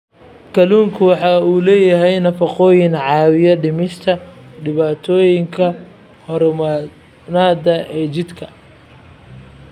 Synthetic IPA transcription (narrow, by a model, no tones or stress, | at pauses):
kʰɐluːŋkʰʊwɑħɑːuːlɛːjɐɦɛjnɐfɐqɔːjɪnʕɑːwɪjɐɖɪmɪʃt̪ʰɐɖɪβaːt̪ʰɔːjɪŋkʰɐ | hɔɾmɐ | naːd̪ɐʔɛːt͡ʃɪd̪kʰɐ